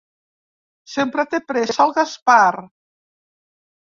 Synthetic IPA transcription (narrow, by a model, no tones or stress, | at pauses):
sempɾat̪epɾesalˠɣaspaɾ